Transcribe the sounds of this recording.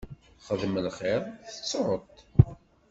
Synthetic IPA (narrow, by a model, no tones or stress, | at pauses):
χəðməlχeɾˤθə̥t͡sːʕət̪ˤ